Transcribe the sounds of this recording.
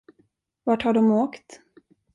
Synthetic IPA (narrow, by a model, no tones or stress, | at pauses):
vaʈhaɖɔmoːkt̪